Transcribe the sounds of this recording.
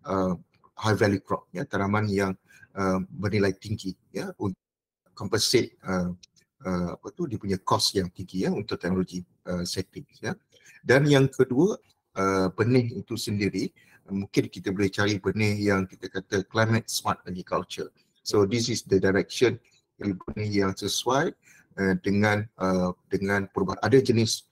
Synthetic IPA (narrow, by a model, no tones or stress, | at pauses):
ə | hajvɛljukɾɔ̰p̚jat̪aɾamãnjaŋ | əbərnilajt̪iŋɡi | jaunt̪ | kɔmpənset̪̚ə | əa̰pət̪udipuɲakɔsjaŋt̪iŋɡijaunt̪ʊk̚t̪ɛk̚noloɡi | əsɛt̪ɪŋsja | danjaŋkʰəduə | ʔəbənɪɦit̪usəndiɾi | mũŋkɪnkit̪abolɛht͡ʃaɾibənɪhjaŋkit̪akat̪aklajmə̃t̪̚smat̪̚laɡikalt͡ʃə̰ | sodis̬isd̪ədaɾɛk̚ʃən | ipunijaŋsəsuaj | ədəŋãnədəŋãnpəɾubaɦanadəd͡ʒənɪs